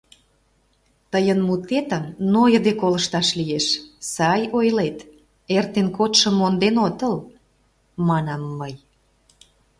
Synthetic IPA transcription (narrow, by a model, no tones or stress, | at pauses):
t̪əjənmut̪et̪ə̆mnojəd̪ekoləʃt̪ɑʃlijeʃsɑjojlet̪ | ert̪enkot̪ʃəmːond̪enot̪əl | mɑnɑmːəj